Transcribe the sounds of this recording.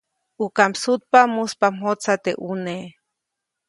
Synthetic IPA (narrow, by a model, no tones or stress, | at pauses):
ukampsut̪̚pamuspamɦot͡sat̪ḛʔune